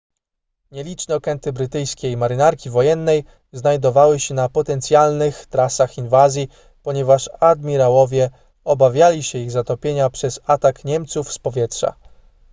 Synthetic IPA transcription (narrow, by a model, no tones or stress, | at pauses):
ɲɛlʲit͡ʂnɛɔkɛnt̪ɘbɾɘt̪ɘjskʲejmaɾɘnaɾkʲivɔjɛnːɛj | znajd̪ɔvawɘɕɛnapɔt̪ɛnt̪sʲjalnɘxt̪ɾasaxinvazʲji | pɔɲɛvaʂad̪mʲiɾawɔvʲjɛ | ɔbavʲjalʲiɕɛiɣzat̪ɔpʲjeɲapʂɛzat̪akɲɛmt̪sufspɔvʲjɛtʂa̰